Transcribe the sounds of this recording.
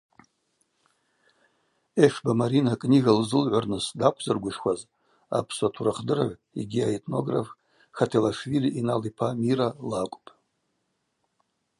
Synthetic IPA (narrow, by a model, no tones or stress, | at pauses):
eʂbamaɾinakʼniɣalzɨlʕʷarnɨsdakʷʰzɨrɡʷʊʂkʷaz | a̰pʰsʷatʰuɾaχdɨɾa̰ʕʷ | ḭɡʲiaetʰʼno̞ɡra̰f | χatʰelaʂviliʔinalipʰamiɾalakʷʼpʼ